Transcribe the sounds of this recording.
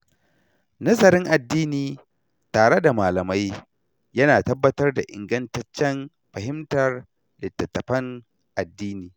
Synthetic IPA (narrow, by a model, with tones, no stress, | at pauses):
nɐ˦zɐ˨ɾɪ˦ŋʔa˨dːiː˦niː˨ | taː˨ɽe˦da˨maː˨lɐ˨ma˦j | jɐ˦naː˨tɐ˦bːɐ˦tɐ˦rda˨ʔɪ̰˨ŋɡɐ˦ntɐ˦t͡ʃːɛ˦n | ɸɐ˨ɦɪ˦mtɐ˨r | lɪ˨tːɐ˨tːɐ˨ɸɐ˦ŋ | ʔa˨dːiː˦niː˨